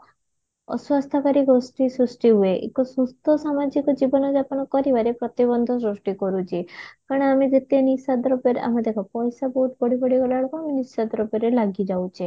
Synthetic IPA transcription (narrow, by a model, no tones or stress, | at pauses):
ɔ̰swast̪ʰakaɾiɡosʈisɾusʈiɦueʔḛkɔsɾust̪ʰɔsamad͡ʒikɔd͡ʒibɔnɔd͡ʒapanɔkɔɾiʋaɾepɾɔt̪ibɔnd̪ʱɔsɾuʂʈikɔɾut͡ʃʰikaɾɽ̃aamed͡ʒet̪enisad̪ɾɔbjɔɾa̰mad̪ʱekɔpɔjsabɔɦut̪bɔɽibɔɽiɡɔlaɭkaamenisad̪ɾɔbjɔɾelaɡid͡ʒawt͡ʃʰe